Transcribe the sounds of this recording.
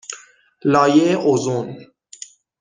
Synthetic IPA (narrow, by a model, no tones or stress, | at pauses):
lɒːjeeʔozun